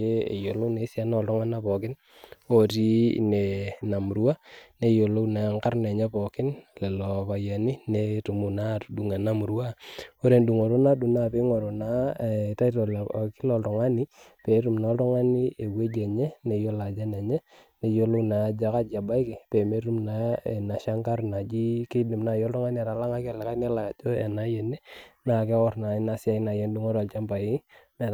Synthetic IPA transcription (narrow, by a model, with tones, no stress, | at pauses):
e˦ḛ˨jo˨lo˦ne˨˦sja˦nɔ˨ltɔ˦ŋa˦na˦pɔ˨kɪ˦n | o˦ti˦ne˨na˨mu˨ɾwa˦ne˨jo˨lo˦na˨˦ŋka˦rnɛ˨ɲɛ˦pɔ˨kɪ˦nle˨lɔ˨pa˨ja˨ni˦ne˦tu˨mu˨na˦du˨ŋa˨na˦mu˨ɾwa˦o˦ɾe˨ndu˨ŋo˨ɾo˦na˦du˨na˦˨pi˦ŋo˨ɾo˨na˦˨ta˦i˦tɔ˨lki˦lɔ˨ltɔ˨ŋa˦ni˦pe˨˦tu˨mna˨˦ltɔ˦ŋa˦ni˦e˨we˦d͡ʒe˨ɲɛ˦ne˨jo˦la˨d͡ʒa˦ne˨ɲɛ˦ | ne˨jo˦lu˦na˨˦d͡ʒa˨ka˦d͡ʒa˨ba˦i˦ke˨pe˨me˦tu˦mna˨e˨na˨ʃa˦ŋka˦ɾna˨d͡ʒi˦ke˦di˨mna˨jɔ˦ltɔ˦ŋa˦ni˦a˨ɾa˨la˦ŋa˦ke˦˨lɛ˨ka˦ne˦la˨d͡ʒo˦ḛ˨na˦je˨ne˦na˨ke˦kɔ˦ɾna˨˦na˨sɪ˦a˦i˦na˨je˦ndu˦ŋo˦ɾa˨lt͡ʃa˦mpa˨i˦me˨